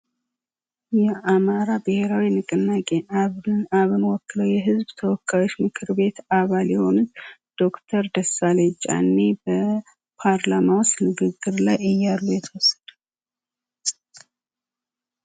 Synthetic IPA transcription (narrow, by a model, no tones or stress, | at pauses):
jɛʔamaɾabɨhe̞ɾawinɨkʼɨnːakʼe̞ʔaβɨnaβɨnwɔkːɨləwjɛɦɨzbt̪ʰəwɔkʰːajo̞t͡ʃːmɨkʰɨɾbe̞t̪aβaljɛho̞nɨt̪d̪̥o̞kt̪ʰəɾd̪əsalet͡ʃʼa̰nːebə | pʰaɾlamawʊst̪nɨɡɨɡːɨɾlajʔɨjːalːujɛt̪ʰəwɔsːə̥d̪̥ə